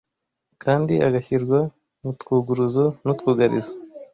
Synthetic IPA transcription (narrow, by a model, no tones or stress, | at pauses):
kʰaːndiʔa̰ɡaçiɾɡwa | nut̪kuɡuɾuzonut̪kuːɡaɾḭzo